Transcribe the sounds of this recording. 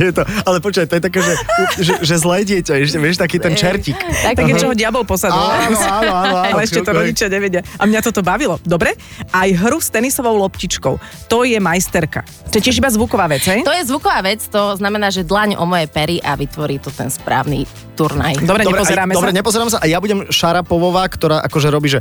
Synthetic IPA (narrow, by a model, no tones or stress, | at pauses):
jɛt̪ɔalɛpɔt͡ʃuʋajt̪ɔjɛt̪akɛʒɛuʒɛʒɛzlɛːɟɪɛcaɛʃ̬cɛʋɪɛʃt̪akiːt̪ɛnt͡ʃɛɾcik̪ak̪aɡɛt͡ʃɛɦɔɟɪabɔlpɔsad̪uaɛɛʃcɛt̪ɔɾɔɟit͡ʃɪaɲɛʋɛɟɪaʔamɲat̪ɔt̪ɔbaʋilɔd̪ɔbɾɛ | ʔajɦɾust̪ɛnisɔʋɔʊlɔpcit͡ʃkɔʊt̪ɔjɛmajst̪ɛɾka̰ | t̪ɔjɛcɪɛʒibazʋukɔʋaːʋɛd͡zɦɛjt̪ɔjɛzʋukɔʋaːʋɛt͡st̪ɔznamɛnaːʒɛd̪laɲɔ̰mɔjɛpɛɾiʔaʋit̪ʋɔɾiːt̪ɔt̪ɛ̰nspɾa̰ːʊnḭ | t̪uɾna̰jd̪ɔbɾɛɲd̪ɔɛɾɛɔzɛɾaːmɛdɔbɾɛɲɛpɔzɛɾaːmsaʔajabuɟɛmʃaɾapɔʋɔʋaːkt̪ɔɾaːʔakɔʒɛɾɔbiːʒɛ